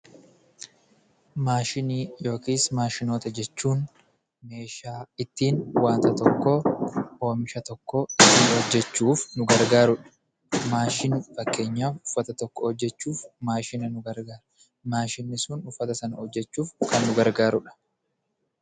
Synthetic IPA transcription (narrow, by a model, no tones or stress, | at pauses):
maːʃɪniːjo̞ːkiːsmaːʃɪnoːt̪ɐd͡ʒɛt͡ʃːuːn | me̞ːʃaːɪt̪ːiːnwaːnt̪ɐt̪ɔkːoo̞ːmɪʃɐt̪ɔkːohɔd͡ʒːɛt͡ʃːuːfnʊɡɐɾɡaːɾʊᶑɐ̥ | maːʃɪnʊfɐkːe̞ːɲːaːfʊfːɐt̪ɐt̪ɔkːɔhɔd͡ʒːɛt͡ʃːuːfmaːʃɪnɐnʊɡɐɾɡaːɾɐ̥ | maːʃɪnːɪsʊnʊfːɐt̪ɐsɐnɐɔd͡ʒːɛt͡ʃːuːfkɐnːʊɡɐɾɡaːɾʊᶑɐ̥